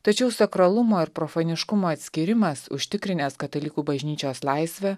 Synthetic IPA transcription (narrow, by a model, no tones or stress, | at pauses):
t̪ɐt͡ʃʲɛʊsɐkɾɐlˠʊmoːɪɾpɾɔfɐnʲɪʃkʊmoːɐt̪ʲsʲkʲɪɾʲɪmɐsʊ̰ʃʲt̪ʲɪkɾʲɪnʲeːskɐt̪ɐlʲiːkuːbɐʒʲnʲiːt͡ʃʲoːslˠɑɪsʲʋʲɛː